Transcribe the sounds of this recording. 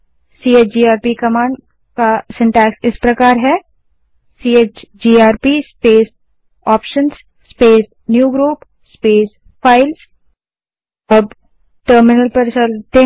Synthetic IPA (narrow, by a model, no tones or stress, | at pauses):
siːeːt͡ʃd͡ʒiːaːɾpikɐmãːɳɖ | kasɪ̃ɳʈɛːksɪspɾɐkaːɾɦɛː | siːeːt͡ʃd͡ʒiːaːɾpispeːs | ɔːpʃənsː | peːs | njuːɡɾuːp | speːs | fʰaːɪls | ɐb | ʈəːɾmɪnəlpɐɾt͡ʃɐlt̪ẽ